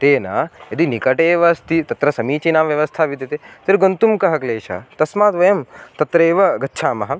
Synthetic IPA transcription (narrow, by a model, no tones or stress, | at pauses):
t̪eːnɐ̰ɐd̪inikɐʈeːʋɐst̪it̪ɐt̪ɾɐsɐmiːt͡ʃinaːʋʋjɐʋɐst̪ʰaːʋit̪ɐt̪et̪ɐɾɡont̪umkɐɦɐkleːʃɐ̰t̪ɐsmaːt̪ʋɐjɐmt̪ɐt̪ɾeːʋɐɡɐtːʃʰaːmɐɦɐ